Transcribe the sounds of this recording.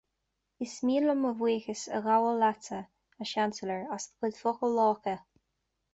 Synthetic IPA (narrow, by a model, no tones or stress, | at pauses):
ɪsmiːləməvwiːxəsəɣawəlatə | əʃansələɹasðəkʰɪd̪fʊxəlːɔːkə